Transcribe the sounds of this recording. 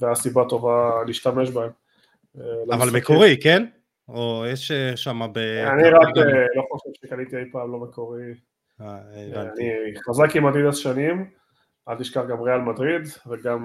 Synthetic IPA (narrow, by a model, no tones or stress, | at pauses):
veasibat̪o̞valiːʃtame̞ʃbaem | elavalmekoʁiken | ojeʃʃamabeaniʁakloχo̞ʃe̞vʃekalit̪iejpaːmlo̞mekoʁi | aniχazakimadid̪alʃanim | alt̪iʃkaχɡamʁealmadʁid̪veɡam